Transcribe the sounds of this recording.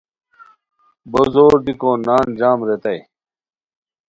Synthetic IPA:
bozoːɾd̪ikõːnaːnd͡ʑaːmɾet̪ɐj

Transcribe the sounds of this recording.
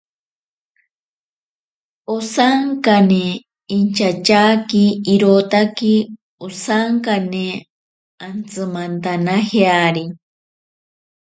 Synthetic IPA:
osaŋkane | int͡ʃat͡ʃakiːɾot̪aki | osaŋkane | ant͡sɨmant̪anaheaɾi

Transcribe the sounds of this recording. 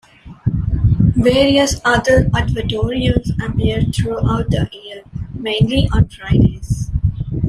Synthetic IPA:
ʋeːɾiəsʌd̪əɾæɖʋəʈoːɾiə̃nzəpiəɾɖ̚t̪ʰɾuʔaʊʈ̚d̪əʔiːəɾmẽːnliʔɔ̃nfɾaɪdeːz

